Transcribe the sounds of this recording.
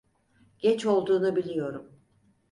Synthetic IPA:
ɟ̥ɛt͡ʃo̞lˠd̪uːnubilʲijo̞ɾum

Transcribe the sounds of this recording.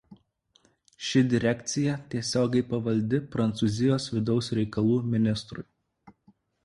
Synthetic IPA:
ʃʲɪd̪ʲɪɾʲɛkʲt̪sʲɪjɛt̪ʲiɛsʲoːɡʲɛɪpɐʋɐlʲd̪ʲɪpɾɐnt̪suːzʲɪjoːsʋʲɪd̪ɒʊsɾʲɛɪkɐlˠuːmʲɪnʲɪst̪ɾʊɪ

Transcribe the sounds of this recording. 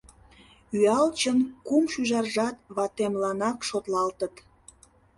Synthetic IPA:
yɑlt͡ɕənkumʃyʒɑrʒɑt̪βɑt̪emlɑnɑkʃot̪lɑlt̪ət̪

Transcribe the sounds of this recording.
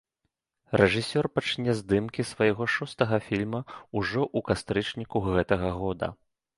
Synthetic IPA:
rɛʐɨsʲɔrpat͡ʂnʲɛzd̪ɨmkʲisvɐjɣɔʂɔst̪ɐɣɐfʲilʲmɐuʐɔʔukast̪ɾɨt͡ʂnʲikuɣɛt̪ɐɣɐɣɔd̪ɐ̰

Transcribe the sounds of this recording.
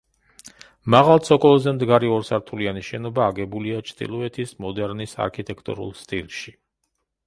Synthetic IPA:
maʁalˠt̪sʰɔkʼɔlˠɔzɛmd̪ɡaɾiɔɾsaɾt̪ʰulianiʃɛnɔbaːɡɛbuliat͡ʃʰt̪ʼḭlˠuɛt̪ʰismɔd̪ɛɾnisa̰ɾkʰit̪ʼɛkʰt̪ʼṵɾṵlˠst̪ʼilˠʃi

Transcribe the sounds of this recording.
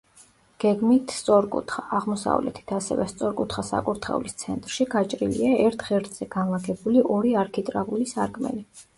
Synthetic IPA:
ɡ̥ɛɡmit̪ʰst̪sʼɔɾkʼṵt̪ʰχaʔːʁmɔsa̰vlɛ̰t̪ʰi̥t̪ʰasɛ̰vɛst̪sʼɔɾkʼut̪χasa̰kʼuɾt̪ʰχɛ̰ulist̪sʰɛnt̪ʼɾʃiɡat͡ʃʼɾilḭaɛɾt̪ʰʁɛɾt̪ʰz̥ɛɡ̥anlˠaɡʰɛbuliʔɔɾiaɾkʰit̪ʼɾaʁulisaɾkʼmɛ̰li

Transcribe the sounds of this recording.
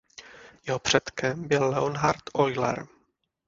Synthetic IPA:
jɛɦopr̥ɛt̪kɛmbɪlːɛonɦaɾt̪ʔojlɛ̰ɾ

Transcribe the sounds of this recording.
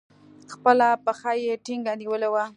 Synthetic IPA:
xpəlapəxajeʈiŋɡaniwəlewa

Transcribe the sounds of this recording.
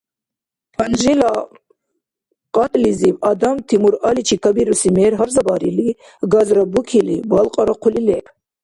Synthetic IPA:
pʰanʒila | qʼat̪ʼlizibad̪amt̪ʰimuɾalit͡ʃʰikʰabiɾusimɛːɾɦaɾzabaɾili | ɡazɾabukʰilibalqʼaɾaqʰulilɛpʰ

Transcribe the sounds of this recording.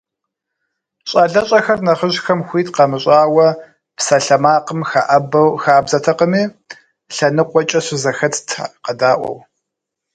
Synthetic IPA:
ɕʼɐɮɐɕʼɐxɐrnɐχəʒxɐmxʷiːtqɐmɨɕʼaːwɐ | psɐɬɐmaːqəmxaʔɐbɐwxaːbzɐtʰɐqəmiː | ɬɐnɨqʷɔt͡ʃʼɐɕʷɪzɐxɐtʰtʰqɐdaːʔʷɔ̰w

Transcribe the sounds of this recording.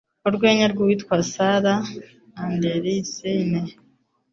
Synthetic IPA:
oɾɡweːɲaɾɡuwitkwasaɾa | andeɾiiseine

